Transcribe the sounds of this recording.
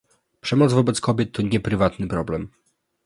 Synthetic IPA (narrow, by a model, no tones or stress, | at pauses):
pʂɛmɔd̪zvɔbɛt̪skɔbʲjɛt̪ʰːɔɲɛpɾɘvat̪nɘpɾɔblɛm